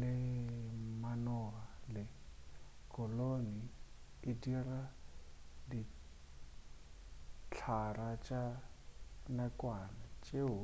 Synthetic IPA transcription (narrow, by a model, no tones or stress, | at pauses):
lɪ | manɔɦalɪ | kʼɔloni | ɪdira | di | t͡ɬʰarat͡ʃʼa | nakʼwanat͡ʃʼe